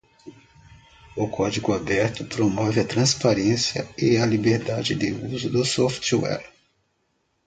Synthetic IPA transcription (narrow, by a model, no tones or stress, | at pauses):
ʊkʰɔd͡ʒiɡʊabɛɾt̪ʊpɾomɔvɪɐt̪ɾɐ̃spaɾẽsjɐ̰ɪɐlibeɾd̪ad͡ʒɪd̪ɪuzʊd̪ʊsɔft͡ʃwɛ̰l